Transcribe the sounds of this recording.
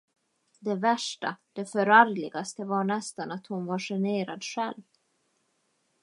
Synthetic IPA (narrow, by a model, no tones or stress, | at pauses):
d̪ɛvæʂʈa̰d̪̥ɛfœɾaɾlɪɡast̪əvaɳɛst̪anat̪hʊnvaʂɛneːɾad̪ɧɛlv